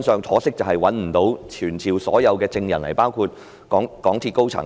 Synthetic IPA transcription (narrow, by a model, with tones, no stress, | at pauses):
nsœː˨˧ŋt͡sʰɔː˨˥sɪ˥k̚t͡sɐ˨˩whɐ˨jwɐ˨˥nm̩˨˩t̪o˨˥wt͡ʃʰyː˨˩nt͡sʰiː˨˩wsɔː˨˥jɐ˨˧wkɛː˧t͡sɪ˧ŋjɐ˨˩nlɐ˨˩jpaː˥wkʰuː˧t̚ | kɔː˨˥ŋkɔː˨˥ŋt̪ʰi˧tko˥wt͡sʰɐ̰˨˩ŋ